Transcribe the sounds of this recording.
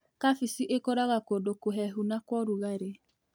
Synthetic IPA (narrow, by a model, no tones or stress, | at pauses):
kafisiʔekɔɾaɣakodokoɦɛɦunakwɔɾuɣaɾe